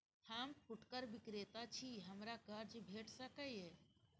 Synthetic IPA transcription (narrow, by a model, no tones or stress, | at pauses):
t̪ʰaːmkʊʈkəɾbɪkɾeːt̪at͡ʃʰiɦəmɾakəɾd͡ʒbʱeːʈʰsəkəjeː